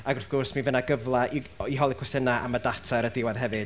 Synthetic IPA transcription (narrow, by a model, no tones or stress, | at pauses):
aɡɔfkʰɔrsminvənaɡəvlˠaʔiiɦɔlˠikʰwɛsɪnaʔa̰mədatʰaɾədɪwaðɦɛvɨd̥